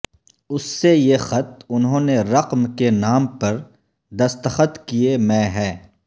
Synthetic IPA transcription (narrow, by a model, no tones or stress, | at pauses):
ʊsːejexɐt̪̚ʊnɦõːneɾɐqmkenaːmpɐɾ | d̪ɐst̪əxət̪kiemɛ̃ːɦɛ̃ː